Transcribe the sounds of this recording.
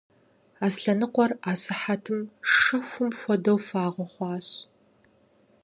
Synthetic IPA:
aːsɬɐnɨqʷɔraːsɨħatʰɨmʂɨxʷʊmfʷɔdɐwfaːʁʷɔχʷɑːɕ

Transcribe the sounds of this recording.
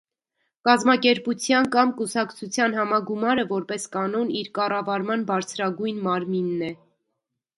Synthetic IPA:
kɑzmɑkɛɾput͡sʰjɑnkɑmkusɑkt͡sʰut͡sʰjɑnɦɑmɑɡumɑɾəvɔɾpɛskɑnɔniɾkɑrɑvɑɾmɑnbɑɾt͡sʰɾɑɡujnmɑɾminːɛ

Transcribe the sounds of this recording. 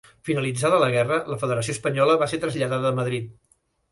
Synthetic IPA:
finəlid͡zaðələɣ̞ɛrələfəðəɾəsiospəɲɔləβaset̪ɾəzʎəðaðəːməðɾit̪̚

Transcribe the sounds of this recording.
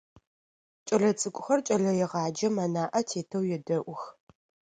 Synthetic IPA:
t͡ʃʼɐɮɐt͡sʼɨkʷʼʊxɐrt͡ʃʼɐɮɐjɛʁɑːd͡ʒɐmɐnaːʔɐtʰeːtʰɐwjɛdɐʔʷʊx

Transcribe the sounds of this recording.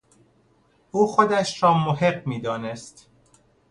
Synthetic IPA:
ʔuːxod̪æʃɾɒːmoɦe̞ɢmiːd̪ɒːne̞st̪

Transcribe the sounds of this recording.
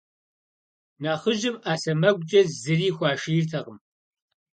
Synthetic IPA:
naːχəʒɪmaːsɐmɐɡʷt͡ʃʼɐzɨriːxʷɑːʃirtʰɐʁəm

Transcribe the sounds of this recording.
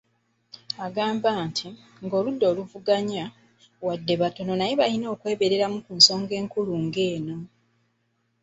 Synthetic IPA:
aɡaːmbaːntʰi | ŋɡo̞ːludːo̞ːluvuɡaɲa | wadːe̞βato̞no̞najeβalino̞ːkwe̞ːβe̞ɾe̞ɾamukunso̞ːŋɡe̞ːŋkuluŋɡe̞ːno̞

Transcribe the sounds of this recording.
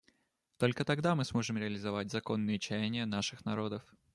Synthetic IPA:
t̪o̞lʲkət̪ɐɡd̪amɨsmo̞ʐɨmɾʲɪəlʲɪzɐvatʲzɐko̞nːɨjət͡ɕænʲɪjənaʂɨxnɐɾo̞d̪əf

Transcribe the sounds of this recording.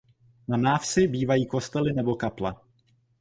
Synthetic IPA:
nanaːfsɪbiːvajiːko̞st̪ɛlɪnɛbo̞kapla̰

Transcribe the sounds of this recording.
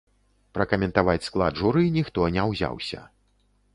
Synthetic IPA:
pɾɐkɐmʲɛnt̪avat͡sʲsklˠa̰d̪ʐuɾɨinʲixt̪ɔnʲɛwzʲa̰wsʲɐ̰

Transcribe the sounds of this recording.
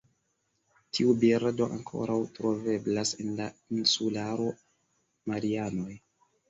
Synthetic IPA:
tʰiubiɾdo̞ʔaŋkʰo̞̰ɾawtɾo̞ve̞blasenlainsulaɾo̞ | maɾiano̞j

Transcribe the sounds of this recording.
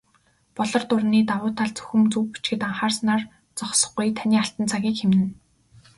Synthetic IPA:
pɔɮɞ̆rt̪ʊrniːt̪awʊːt̪ʰːaɮt͡sɵ̥xɵ̆mt͡sɵwpi̥t͡ɕɡɘ̆t̪aɴχaːrsnaːr | t͡sɔχsɞ̆χɡujt̪ʰaniːaɬt̪ə̆nt͡sʰaɣʲiːkxemɘ̆n

